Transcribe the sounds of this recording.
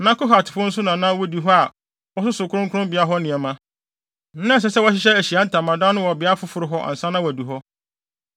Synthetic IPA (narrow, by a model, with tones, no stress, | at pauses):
nã˦kʊ˦ɦa˨tʰɪ̥˨pʰʊ̃˦n̩˦s̬ʊ˦nã˨nã˦wɔ˦di˨ɦɔ˦a˨ | wɔ˦sʊ˦sʊ˨kʰʊ˦ɾʊ̃˦ŋkʰʊ˦ɾʊ̃˦mbɪ˨a˦ɦɔ˦nɪ̃˨ɛ˨mã˦ | n̩˦nã˦˨s̬ɛ˦sɛ˦wɔ˦ɕɪ˦ɕ̬ɛ˦æ˨ɕi˨a˦n̩˦tʰã˨mã˨dã˦nʊ̃˦wɔ˨bɪ˨a˦fʊ˦fʊ˨ɾɪ˦ɦɔ˦ʔa̰˨n̩˨sã˦nã˦wɔ˨du˨ɦɔ˦